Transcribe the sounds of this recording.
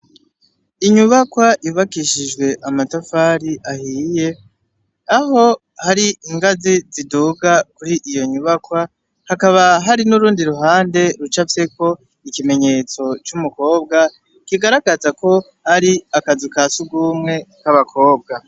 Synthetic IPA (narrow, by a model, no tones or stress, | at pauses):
iɲuβakwaʔiuβakiʃiʒɡwe̞ʔamatafaːɾiʔahiːje̞ | aɦo̞ | haɾiiŋɡaziziduːɡakuɾiʔijo̞ɲuβakwa | hakaβaɦaɾinuɾuːndiɾuɦaːnde̞ɾut͡ʃavjeko̞ | ikime̞ɲe̞t͡so̞t͡ʃumuko̞ːb̚ɡa | kiɡaɾaɡazako̞ | haɾiakazikasuɡumŋe̞kaβakʰo̞ːbɡa